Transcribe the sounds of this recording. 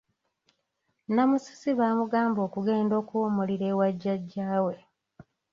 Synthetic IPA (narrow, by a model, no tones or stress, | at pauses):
namusi̥siβaːmuɡaːmbo̞ːkuɡe̞ːndo̞ːkuomuliɾe̞ːwaɟːaɟːaːwe̞